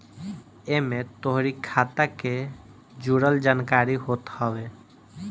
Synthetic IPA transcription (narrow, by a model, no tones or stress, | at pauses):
emẽt̪oɦɾikʰat̪ake | d͡ʒuɽəld͡ʒaːnkaɾiɦot̪hɔbe